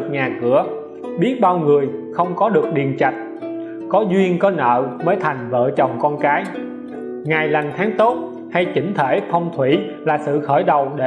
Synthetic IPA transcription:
ɲaː˨˩kɨ˧˩ə | ɓi˦˥ət̚ɓaː˧wŋɨ˨˩əjxə˧wŋ͡mkɔ˨˦ɗɨ˨˩ək̚ɗi˨˩ənt͡ɕa˨˩jt̚ | kɔ˨˦zwi˧ənkɔ˨˦nə̰ː˧˨məː˨˦jt̪ʰa˨˩jŋ̟və̰ː˧˨t͡ɕə˨˩wŋ͡mkɔ˧nkaː˨˦j | ŋaː˨˩jla˨˩ŋ̟t̪ʰaː˨˦ŋt̪o˦˥t̚ | ha˧jt͡ɕï˧˥ŋ̟t̪ʰe˧˩t̪ʰə˧wŋ͡mt̪ʰwi˧˩ | laː˨˩sɨ̰˧˨xəː˧˩jɗə˨˩wɗe˧

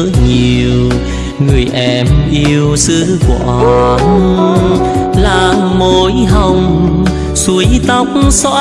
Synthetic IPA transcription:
ɲi˨˩əw | ŋɨ˨˩əjʔɛ˧mʔi˧əwsɨ˧˦ku˧˩əʔɔ˧˩˧n | laː˨˩mo˧˨jɦə˧˩wŋ͡m | su˧˦əjt̪ə˦wk͡p̚ŋ͡msɔ̰˧˥

